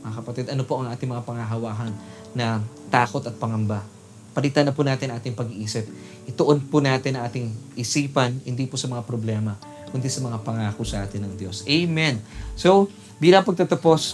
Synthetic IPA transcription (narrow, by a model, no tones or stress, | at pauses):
mɐŋakɐpɐt̪id̪ɐnopo̞ʔɐŋʔaːt̪ɪŋmɐŋapɐŋaɦɐwaːɦɐnː | ɐ | t̪aːko̞t̪ɐt̪̚pɐŋɐmba | pɐlit̪anɐpunaːt̪ɪnɐŋaːt̪ɪŋpɐɡiʔiːsɪp̚ | ʔɪt̪oʔonpʊnaːt̪ɪnɐŋʔaːt̪ɪŋʔɪsiːpɐnhɪnd̪iːposɐmɐŋapɾoblɛmɐ | kʊnt̪ɛsɐmɐŋapɐŋaːkʊsɐʔaːt̪ɪnːɐŋd̪jo̞sʔejmɛnso | biːlɐŋpɐɡ̚t̪ɐt̪ɐpo̞s